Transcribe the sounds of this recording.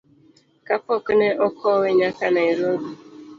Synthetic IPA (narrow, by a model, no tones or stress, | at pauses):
kapɔkeneʔɔkʰɔweɲakanaiɾodu